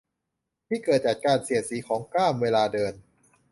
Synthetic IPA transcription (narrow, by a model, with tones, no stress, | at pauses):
t̪ʰiː˥˩kɤː˨˩t̪̚t͡ɕa˨˩t̪̚kaː˧nsi˨˩˦əsiː˩˦kʰɔː˩˦ŋklaː˥˩mweː˧laː˧dɤː˧n